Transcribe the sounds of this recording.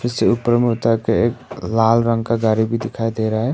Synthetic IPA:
pʰɪɾseʊpːəɾmeɦot̪akeeːklaːlɾə̃ŋɡkaɡaːɾibʱid̪ɪkʰaːid̪eːɾaaɦɛ

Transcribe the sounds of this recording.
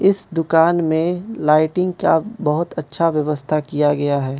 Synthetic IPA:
ɪsd̪ʊkaːnmẽlaːɪʈɪ̃ŋɡ̚ka̰bɐɦʊt̪ɐtːʃʰaʋjɐʋəst̪ʰakijaɡɐjaɦɛː

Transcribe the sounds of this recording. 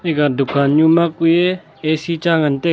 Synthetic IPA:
ekad̪ukʰaɲumakuje | esit͡ʃaŋant̪e

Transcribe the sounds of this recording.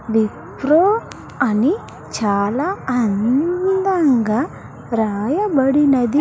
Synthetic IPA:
ʋipɾoː | ɐni | t͡ʃaːlaːɐnd̪ɐŋɡaː | ɾaːjɐbɐɽinɐd̪i

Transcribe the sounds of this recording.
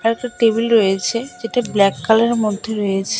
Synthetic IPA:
ɛɾɛk̚ʈaʈebilɾojet͡ɕʰed͡ʑeʈeblɛkːaleɾmod̪ʱːeɾojet͡ɕʰe̥

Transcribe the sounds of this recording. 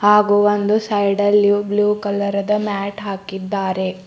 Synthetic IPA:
haːɡuond̪usɐjɖɐlːjubluːkɐlɐɾɐd̪ɐmaːʈɦaːkid̪ːaːɾe̞

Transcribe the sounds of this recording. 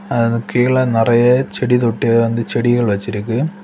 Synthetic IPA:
ɐkiːɭɐnɐrɐjɐt͡ɕeɽit̪̬oʈːijɐʋɐnd̪ɨt͡ɕeɽiɣɐɭʋɐt͡ɕːiɾukʲːu

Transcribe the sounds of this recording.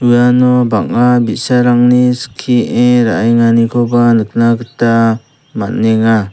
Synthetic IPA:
ɯjanɔbaŋabit̚saɾaŋniskʰieɾa̰ʔajŋanikʰɔbanɯk̚ʰnaɡɯta | ma̰t̚neŋa

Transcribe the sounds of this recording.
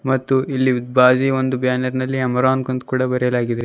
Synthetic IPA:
mɐt̪ːuilːiud̪baːd͡ʒiʋond̪ubjaːnɐɾnɐlːiɐmɐɾaːnkont̪kuːɽɐbɐɾɛɐlaːɡid̪ɐɾe

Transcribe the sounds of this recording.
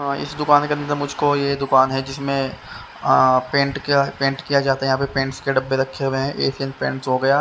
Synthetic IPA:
ɪ̰sd̪ʊkaːnkeɐnd̪əɾmʊd͡ʒʱkojed̪ʊkaːnɦɛd͡ʒɪsmẽ | pẽːɳʈkapẽːɳʈkijad͡ʒaːt̪aɦɛjɦãpepẽːɳʈskeɖɐbːeɾɐkʰːeɦueɦɛ̃ʔeːsijənpḛ̃ːɳʈsɦoɡɐjaː

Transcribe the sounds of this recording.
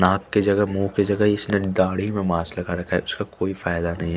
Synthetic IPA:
nãːkːed͡ʒɐɡəɦmuːɦked͡ʒɐɡəɦɪsneɖaːɽ̤imẽmaːslɐɡaɾɐkʰaɦɛ̰ʊskakoːifaːjd̪anɐɦĩɦɛ

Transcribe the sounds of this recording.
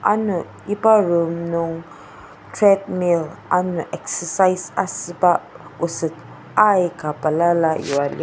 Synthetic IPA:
a̰nu | ibaɾomnuŋ | tɾɛd̚milanuʔɛksəsasasɨbaosət | ajkapalalajuwalḭ

